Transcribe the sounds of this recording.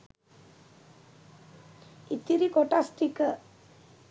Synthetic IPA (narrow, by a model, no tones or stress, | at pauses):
it̪ːiɾikoʈasʈikə